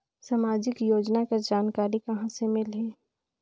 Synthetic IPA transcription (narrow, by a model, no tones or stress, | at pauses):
samaːd͡ʒɪkjoːd͡ʒnakad͡ʒaːnkaːɾikɐɦãsemɪlɦɛː